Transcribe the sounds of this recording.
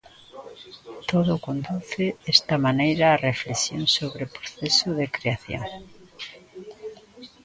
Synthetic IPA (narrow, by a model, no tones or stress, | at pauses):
t̪oðʊkond̪uθɪest̪ɐmanejɾaːreflesjoŋsoβɾepɾoθesʊðekɾeaθjo̰ŋ